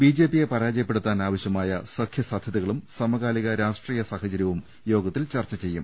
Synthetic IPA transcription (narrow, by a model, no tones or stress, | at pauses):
biːd͡ʑe̞ːpːijepɐɾaːd͡ʑɐjɐpːe̞ɽut̪ːaːnaːʋɐɕjɐmaːjɐsɐkʰjɐsaːd̪ʱjɐðiɣɐɭumsɐmɐɣaːliɣɐɾaːʂʈriːjɐsaːhɐt͡ɕɐɾjɐʋum | jo̞ːɡɐt̪ːilt͡ɕɐrt͡ɕːɐt͡ɕe̞jːum